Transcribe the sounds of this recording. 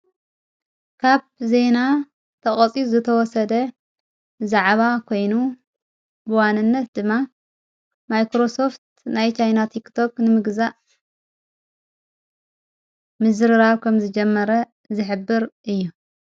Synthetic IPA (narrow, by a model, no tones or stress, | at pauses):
kʰaβze̞na | t̪ʰɐkʼɐt͡sʼizɨt̪ʰɐwɔsɐd̪ɐ | zaʕβakʰo̞jnu | bɨwanːɨnːɐt̪̚d̪ɨmːa | majkɾo̞so̞ft̪ | najt͡ʃʰajnat̪ʰikt̪ʰo̞knɨmɨɡzaʔ | mɨzɨɾɨɾaβkʰɐmzɨd͡ʒɛmːɐɾɐ | zɨħɨbːɨɾʔɨjːu